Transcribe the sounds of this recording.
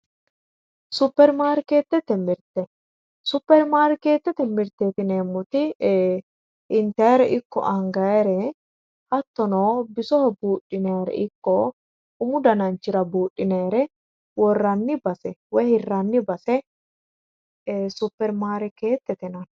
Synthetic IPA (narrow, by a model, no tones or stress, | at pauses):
sʊpːɛɾmaːɾke̞ːt̪ːɛt̪ːɛmɪɾt̪ɛ | sʊpːɛɾmaːɾke̞ːt̪ːɛt̪ːɛmɪɾt̪eːt̪ɪneːmːɔt̪ɪ | ʔɪnt̪ɛɾɛʔɪkːɔ̰ʔɐŋɡɐɾɛ | hɐt̪ːɔnoːbɪsɔhɔbuːᶑːɪneːɾɛ̰ʔɪkːɔ | ʊmʊd̪ɐnɐnt͡ʃːɪɾɐbuːɗʼːɪneːɾɛ | wɔrːɐnːɪbɐsɛwɛjhɪrːɐnːɪbɐsɛ | sʊpːɛɾmaːɾɛke̞ːt̪ːɛt̪ɛnɐ